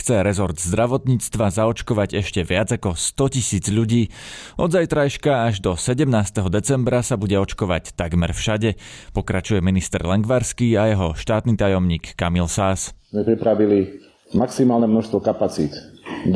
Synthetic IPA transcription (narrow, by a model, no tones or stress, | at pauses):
xt͡sɛɾɛzɔɾd̪zd̪ɾaʋɔt̪ɲiːt͡st̪ʋazaɔt͡ʃkɔʋaɟɛʃcɛʋɪad͡zakɔst̪ɔcisiːd͡zʎuɟiː | ʔɔd̪zajt̪ɾajʃkaaʒd̪ɔsɛɟɛmnaːst̪ɛɦɔd̪ɛt͡sɛmbɾasabuɟɛɔt͡ʃkɔʋa̰ct̪aɡmɛɾfʃaɟɛ | pɔkɾat͡ʃujɛminist̪ɛɾlɛŋɡʋaɾskiːajɛɦɔʃt̪aːt̪niːt̪ajɔmɲiːkːamilsaːszmɛpɾipɾaʋili | maksimaːlnɛmnɔʃst̪ʋɔkapat͡siːt̪